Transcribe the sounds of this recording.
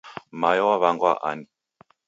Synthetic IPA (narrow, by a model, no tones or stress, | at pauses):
majɔwaβaŋɡwaʔa̰ni